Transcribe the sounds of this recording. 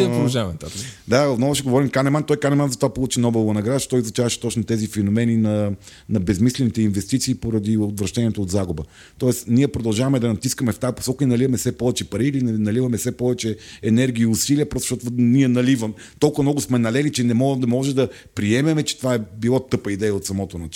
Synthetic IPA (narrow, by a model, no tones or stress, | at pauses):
oʒaɛt̪at̪d̪aot̪nɔvʊʃɛɡovɔɾimkanɛmant̪ɔjkanɛmanzɐt̪ovapolˠut͡ʃinɔbɛlˠovɐnɐɡɾad̪əʃɛt̪ɔjizɐt͡ʃavɐʃɛ̥t̪ɔt͡ʃnot̪ɛzifɛnomɛninɐnɐbɛzmislɛnit̪ɛinvɛst̪it̪siːpoɾɐd̪iot̪vɾɐʃt̪ɛniɛt̪oːd̪zaɡubə | t̪ɔɛsniɛpɾod̪ɐlˠʒavɐmɛd̪ɐnɐt̪iskəmɛft̪aːpo̥sɔkəinɐlivɐmɛfsɛpɔvɛt͡ʃɛpɐɾiːlinnɐlivɐmɛfsɛpɔvɛt͡ʃɛɛnɛɾɡʲiːʊsiliəpɾɔst̪oʃtɔt̪oniɛnɐlivəm | t̪ɔlˠkʊvɐmnɔɡʊsmɛnɐlɛlit͡ʃɛnɛmɔd̪ɐmɔʒɛd̪ɐ | pɾiɛmɛmɛt͡ʃɛ̥t̪o̥vaɛbilˠɔt̪ɤpəid̪ɛjəot̪sɐmɔt̪onɐ